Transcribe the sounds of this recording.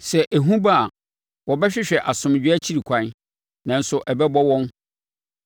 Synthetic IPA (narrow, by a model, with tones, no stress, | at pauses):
sɛ˨ʔæ˨ɦũ˦ba˦a˨ | wɔ˨bɛ˦ɕᶣɪ˦ɕᶣɛ˨ʔa˨sʊ̃˨m˨d͡ʑᶣɪ˦ɛ˦t͡ɕʰi˦ɾi˨kʷʰã˨˦n | nã˨n̩˨sʊ˨ʔɛ˨bɛ˦bɔ˦wɔ̃˦n